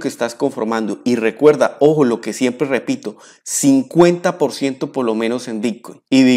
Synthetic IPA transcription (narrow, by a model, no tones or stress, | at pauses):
kest̪asko̞ɱfo̞̰ɾmãnd̪oire̞kwe̞ɾðao̞xolo̞ke̞sje̞mpɾere̞pit̪o̞ | siŋkwe̞nt̪apo̞ɾsje̞nt̪o̞poɾlo̞mẽ̞nose̞mbit̪̚kojniði